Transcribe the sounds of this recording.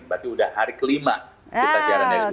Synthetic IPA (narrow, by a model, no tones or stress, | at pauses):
bat̪iudahːaɾikəlimakit̪asiaɾanja